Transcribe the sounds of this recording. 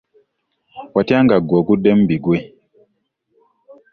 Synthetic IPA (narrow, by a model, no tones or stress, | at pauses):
watiaŋɡaɡɔɡudɛmbiɡwe